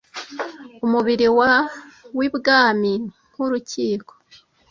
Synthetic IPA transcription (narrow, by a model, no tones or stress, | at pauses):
umuβiɾiwawibɡaːmiŋ̥uɾuciːko̥